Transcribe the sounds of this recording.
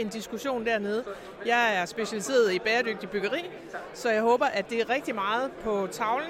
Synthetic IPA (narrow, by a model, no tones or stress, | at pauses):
e̝nd̥isɡ̥uɕo̝̰ːnd̥æɐmeð̞̩ˠ | jɑ̈ɪæɐsb̥e̝ɕælise̝̰ːɐð̞̩ˠib̥ɛːɐd̥øɡ̥̚d̥ib̥yɡ̥ɐʁḭː | sɒ̽jɑ̈ɪɦɔ̽ːb̥ɐʔæd̥e̝æɐʁɛɡ̥̚d̥imɑ̈ːð̞̩ˠpʰɒ̽t͡sʰɑ̈ʊln̩